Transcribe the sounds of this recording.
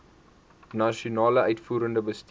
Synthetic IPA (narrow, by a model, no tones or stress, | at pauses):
nɐʃiunɑːləœɥtfuːɾəndəbəst